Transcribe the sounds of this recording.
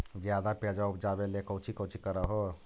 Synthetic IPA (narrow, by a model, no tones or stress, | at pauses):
d͡ʒjad̪aped͡ʒabd͡ʒabelekəwt͡ʃʰikəwt͡ʃʰikəɾəɦo